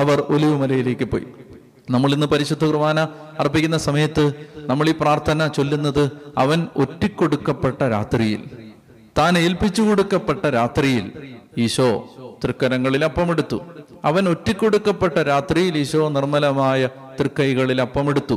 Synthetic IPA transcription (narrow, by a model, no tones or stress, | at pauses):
ɐʋɐro̞liʋɨmɐlɐjile̞ːkʲːɨpːo̰ːjḭ | nɐmːɐɭinːɨpɐɾiɕud̪ʱːɐkrɨmaːnɐɐrpːikʲːunːɐsɐmɐjɐt̪ːɨnɐmːɐɭipraːrt̪ʰɐnɐt͡ɕo̞lːunːɐðɨɐʋɐno̞tːikʲːo̞ɽukːɐpːeʈːɐɾa̰ːt̪rijḭl | t̪aːneːlpit͡ɕːuko̞ɽukːɐpːe̞ʈːɐɾaːt̪rijiliːɕoːt̪rɨkːɐɾɐŋːɐɭilɐpːɐmeɽut̪ːu | ɐʋɐno̞tːikʲːo̞ɽukːɐpːe̞ʈːɐɾaːt̪rijiliːɕoːnirmɐlɐmaːjɐ | t̪rɨkːɐjɣɐɭilɐpːɐmeɽut̪ːu